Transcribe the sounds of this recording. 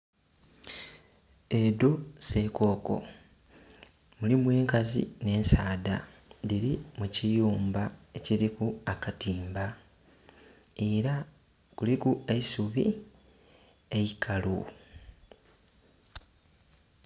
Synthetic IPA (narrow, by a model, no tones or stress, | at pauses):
edo̞se̞ko̞ːko̞̰ | mulimwe̞ːŋkazḭne̞ːnsaːdadiɾimucijuːmbae̞cilikuakatiːmba | e̞ɾa | kulikueisuβi | e̞jikʰalu